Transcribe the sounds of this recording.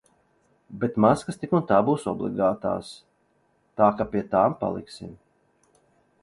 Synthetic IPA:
bet̪maskɐst̪ikunt̪aːbuːsɔ̰blˠḭɡaːt̪a̰ːs | t̪aːkapʲiɛt̪aːmpa̰lˠḭksḭm

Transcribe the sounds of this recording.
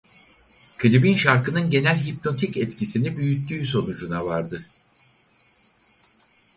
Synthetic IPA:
kʰɯlʲibinʃaɾkɯnɯnɟe̞nælʲɦip̚no̞t̪ʰicɛt̪cisinibyjyt̪ʰːyːs̬o̞nud͡ʒunavaɾd̪ɯ

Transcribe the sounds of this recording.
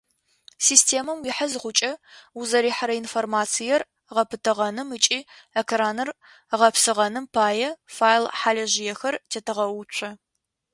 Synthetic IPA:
siːstʰeːmɐmwiħazɨʁʷʊt͡ʃʼɐuzɐɾiːħaɾɐinformaːt͡sʰijɛr | ʁɐpʰɨtʰɨʁɐnɨmɨt͡ʃʼiː | ekraːnɨr | ʁɐpsɨʁɐnɨmpʰaːjɛfaːjlħaːlɐʑɪjɛxɐrtʰetʰɨʁɐwʊt͡ʃʷʰɐ

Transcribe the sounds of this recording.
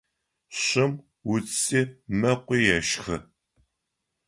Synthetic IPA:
ɕɪm | wʊt͡st͡siːmɐqʷiːjɛʃxɨ

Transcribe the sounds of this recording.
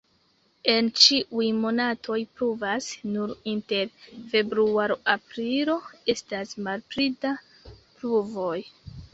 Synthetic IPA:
e̞nt͡ʃiʔujmo̞natʰo̞jpɾuvasnuɾinte̞ɾfe̞bɾuaɾoʔapɾilo̞e̞stasmalpɾida | pɾuvo̞j

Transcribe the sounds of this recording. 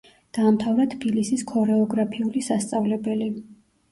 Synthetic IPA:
d̪̥aːmt̪ʰavɾat̪ʰbilisiskʰɔɾɛɔɡɾapʰiulisast̪sʼavlɛbɛli

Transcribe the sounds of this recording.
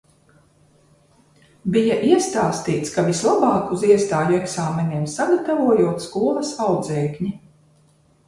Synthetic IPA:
bijaʔiɛst̪aːst̪iːt̪skavislˠabɑːkuziɛst̪aːjuɛksaːmɛniɛmsaɡat̪avuɔjuɔt̪skuɔlˠɐsawd̪zɛːkɲi

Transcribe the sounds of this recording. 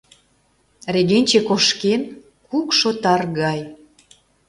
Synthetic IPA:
reɣenʲt͡ɕekoʃken | kukʃot̪ɑrɣɑj

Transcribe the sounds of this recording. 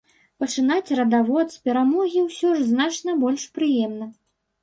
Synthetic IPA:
pɐt͡ʂɨn̪at͡sʲrɐd̪avɔt̪spʲɛɾamɔɣʲiwsʲɔʐznat͡ʂnɐbɔlʲʂpɾɨjɛmnɐ

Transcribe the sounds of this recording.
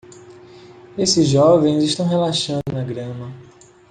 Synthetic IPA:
esɪzʒɔvẽj̃zɪiʃt̪ɐ̃w̃ɦelaʃɐ̃nd̪ʊnɐɡɾɐ̃mɐ

